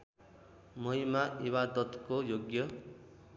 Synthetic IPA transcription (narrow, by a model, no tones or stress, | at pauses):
mʌɦimaibad̪ʌt̪kojoɡjʌ